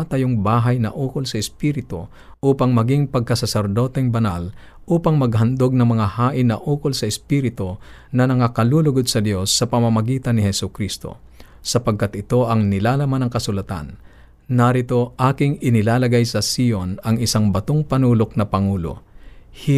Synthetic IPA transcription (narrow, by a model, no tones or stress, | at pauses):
t̪ɐjoŋbaːɦɐjnɐ̰ʔuːkolsɐɪspiːɾɪt̪o̰ | ʔuːpɐŋmɐɡiŋpɐɡ̚kɐsɐsɛɾd̪o̞ːt̪ɛŋbɐnal | ʔuːpɐŋmɐɡhɐnd̪oɡ̚nɐŋmɐŋahaːʔɪnːɐʔuːkolsɐɪspiːɾɪt̪onɐnɐŋakɐluːlʊɡod̪̚sɐd̪jo̞sːɐpɐmamɐɡiːt̪ɐnːɪhɛsʊkɾist̪o̰ | sɐpɐɡ̚kat̪ʔɪt̪o̞ʔɐŋnɪlaːlɐmanɐŋkɐsʊlɐt̪a̰nː | ɐɾɪt̪o̞ʔaːkɪŋɪnɪlaːlɐɡajsɐsionɐŋɪsaŋbɐt̪oŋpɐnuːlok̚nɐpɐŋuːlo̰hɪ